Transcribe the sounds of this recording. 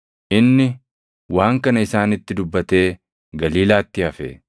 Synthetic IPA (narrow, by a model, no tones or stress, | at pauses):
ʔɪnːɪ | waːŋkɐnɐɪsaːnɪt̪ːɪd̪ʊbːɐt̪e̞ː | ɡɐliːlaːt̪ːɪɐfḛː